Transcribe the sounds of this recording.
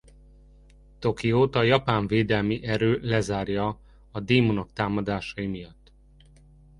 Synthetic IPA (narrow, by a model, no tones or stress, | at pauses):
t̪o̞kijoːt̪ɒjɒpaːɱveːd̪ɛlmiʔɛɾøːlɛzaːrjɒː | d̪eːmonokt̪aːmɒd̪aːʃɒjimijɒt̪ː